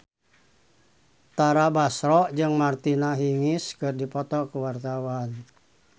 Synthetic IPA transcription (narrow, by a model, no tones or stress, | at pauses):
t̪aɾabasɾɔʔd͡ʒɨŋmart̪inaɦiŋiskɨrdipɔt̪ɔkuwart̪awan